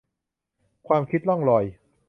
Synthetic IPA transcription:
kʰwaː˧mkʰi˦t̪̚lɔ˥˩ŋlɔ˧˩j

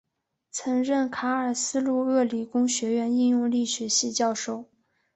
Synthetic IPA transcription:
t͡sʰɤ˧˥ŋɻə˥˩nkʰa˧˥ə˞˨˩sɹ̩˥lu˥˧ɤ˥˩li˨˩kʊ˥ŋɕɥɛ˧˥ɥɛ˧˥ni˥˧jʊ˥˧ŋli˥˩ɕɥɛ˧˥ɕi˥˧t͡ɕjɑ˥˧ʊʂo˥˩ʊ

